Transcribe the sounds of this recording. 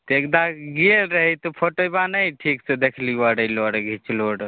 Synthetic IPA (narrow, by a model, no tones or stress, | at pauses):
t̪ekd̪aɡelɾəɦət̪ɔpʰoʈəjbanəjʈʰiksed̪ekʰlibəɽəjloɖɡʱit͡ʃloɽ